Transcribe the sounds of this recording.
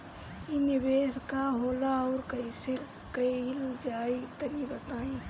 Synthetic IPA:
inibeːskaɦoːlaɔːɾkəise | kəld͡ʒaːit̪əɾiɾət̪aːĩ

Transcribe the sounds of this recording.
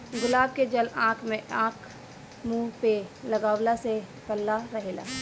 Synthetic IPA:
ɡʊlaːb̚ked͡ʒəlãːkʰmẽʔãːkʰ | muːlpeləɡaːwlase | pəlːaɾɐɦeːla̰ː

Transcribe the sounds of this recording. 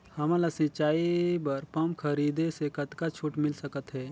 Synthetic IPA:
hɐmalasɪ̃t͡ʃaːibɐɾpɐmkʰəɾiːd̪esekɐt̪kat͡ʃʰuːʈmɪlsəkət̪ɦɛː

